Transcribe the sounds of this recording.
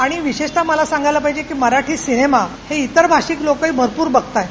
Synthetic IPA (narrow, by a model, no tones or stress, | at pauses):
aɽ̃iʋiɕeʂt̪aməlasãŋɡajlapaɦid͡ʑekiːməɾaʈʰiːsinema | heit̪əɾbʱaɕiːklokəibʱəɾpuːɾbəɡt̪aj